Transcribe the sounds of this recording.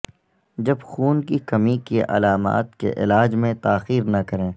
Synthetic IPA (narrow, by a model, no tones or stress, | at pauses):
d͡ʒɐbxuːnkikɐmikeʔɐ̰laːma̰ːt̪kḛʔɪ̰laːd͡ʒmẽt̪aːxiːɾnɐkɐɾẽː